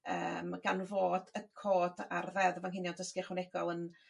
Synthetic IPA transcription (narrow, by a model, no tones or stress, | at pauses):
ə̰ːmɡ̥anvoːdəkʰoːda̰rðɛðəvaŋɦɪnjɔdəskɪχwənɛɡɔlˠən